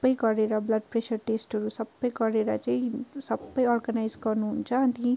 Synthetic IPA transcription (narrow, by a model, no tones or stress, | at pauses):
bːʌjɡʌɾeɾʌblʌɖ̚presʌrʈesʈʌɾusʌbːʌjɡʌɾeɾat͡saĩsʌbːʌjʌrɡanajd͡zɡʌrnuɦunt͡sʰʌːni